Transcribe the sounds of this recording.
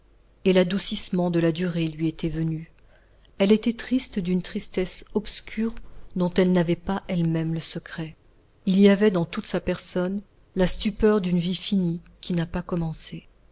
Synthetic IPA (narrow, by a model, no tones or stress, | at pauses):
elad̪usismɑ̃d̪əlad̪yʁelɥiet̪ɛvəny | ɛlet̪ɛt̪χist̪d̪ynt̪χist̪ɛsɔpskʲʰyʁd̪ɔ̃t̪ɛlnavɛpaʔɛlmɛmləsəkχɛ | iliavɛd̪ɑ̃t̪ut̪sapɛʁsɔn | last̪ypœʁd̪ynvifinikʲinapakɔmɑ̃se